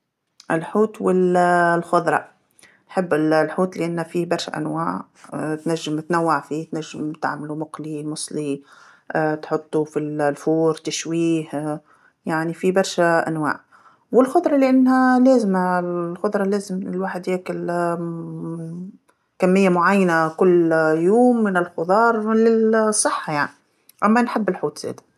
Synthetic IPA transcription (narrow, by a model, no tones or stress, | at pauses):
ʔɪlħuːt̪wɪllxʊd̪ˤɾˤɑ̰ | nħɪbːɪllħuːt̪lɪʔanːhafibɑɾˤʃa̰ʔa̰nwaːʕ | t̪naʒːɪmt̪nawːaʕfit̪naʒːɪmt̪a̰ʕmalumʊqlimʊsˤli | ʔːt̪ħʊt̪ˤːufillfuːɾt̪aʃwiːh | jaʕnifibɑɾˤʃaʔa̰nwa̰ːʕ | wɪlxʊd̪ˤɾˤɑlɪʔanːhaleːzɪmalxʊd̪ˤɾˤɑleːzɪmɪlwaːħɪd̪heːkɪl | kamːɪjːamʊʕajːanakʊlːjoːmːɪnɪlxʊd̪ˤɑːɾˤlɪlsˤːɨħːajaʕni | ʔamːanħɪbːɪlħuːt̪z̥ḛːd̪ḁ